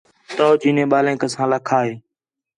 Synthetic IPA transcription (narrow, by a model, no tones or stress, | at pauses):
t̪oːt͡ʃiːnẽːɓaːlẽːkəsãːləkʰaːɦeː